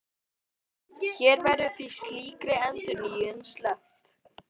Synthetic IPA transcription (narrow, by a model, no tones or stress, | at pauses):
çɛːɾvɛɾðʏθisliːkɾɪɛnt̪ʏniːʏnslœht̪